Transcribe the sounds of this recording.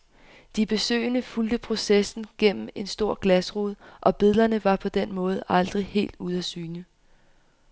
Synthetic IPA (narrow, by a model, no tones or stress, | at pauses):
d̥ib̥e̝sø̰ɪnəfuld̥əpʰʁo̝sesn̩ɡ̥en̰m̩e̝nsd̥o̝ɐ̰ɡ̥læsʁoð̰ˠʔɒ̽b̥iðˠlˠɐnəʋɑ̈pʰɒ̽d̥enmɔ̽ːð̞̩ˠʔɑ̈ld̥ʁihe̝̰ːld̥uð̞ˠæsyːnə